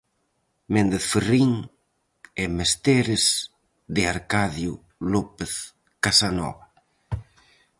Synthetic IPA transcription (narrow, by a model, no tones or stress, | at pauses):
mẽnd̪eθferiŋ | ɛmest̪eɾɪz | ðɪaɾkaðjʊ | lɔpeθ | kasanɔ̰βa